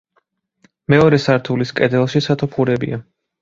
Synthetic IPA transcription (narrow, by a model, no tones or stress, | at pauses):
mɛɔɾɛsaɾt̪ʰuliskʼɛd̪ɛlˠʃisat̪ʰɔpʰχuɾɛbḭa